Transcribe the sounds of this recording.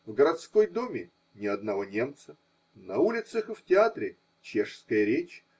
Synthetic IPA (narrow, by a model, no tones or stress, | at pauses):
vɡəɾɐt̪sko̞jd̪omʲɪ | nʲɪɐd̪nɐvo̞nʲe̞mt̪sə | nɐulʲɪt̪səxɨftʲɪat̪ɾʲɪ | t͡ɕeʂskəjəɾʲet͡ɕ